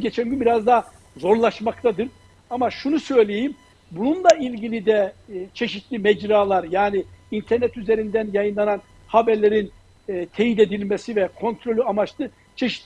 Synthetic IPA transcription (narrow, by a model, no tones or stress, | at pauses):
ɟet͡ʃʰænʲɟynbiɾazd̪a | zo̞ɾlˠaʃmakt̪ʰad̪ɯɾ | amaʃunusø̞jlʲejim | bununlˠailʲɟilʲid̪ɛt͡ʃʰe̞ʃit̪lʲimɛd͡ʒɾaːlˠaɾjaːniint̪ʰɛɾnɛt̪yze̞ɾind̪ænjajɯnlˠanan | habæɾlʲe̞ɾinː | t̪ʰe̞jid̪e̞d̪ilʲmesivɛkʰo̞nt̪ʰɾo̞lʲyamat͡ʃt̪ˠɯ | t͡ʃʰe̞ʃi̥t̪ʲ